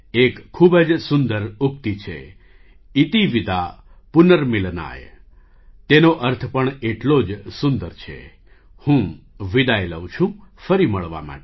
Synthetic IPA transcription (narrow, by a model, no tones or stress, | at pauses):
ekʰːubəd͡ʒsʊnd̪əɾuk̚t̪it͡ʃʰḛ | it̪iʋid̪a | punəɾmilna̰j | t̪enoʔəɾt̪ʰpəɳeʈlod͡ʒsʊnd̪əɾt͡ʃʰḛ | hũʋid̪ajlə̰wt͡ʃʰũfəɾiməɭʋa̰ma̰ʈe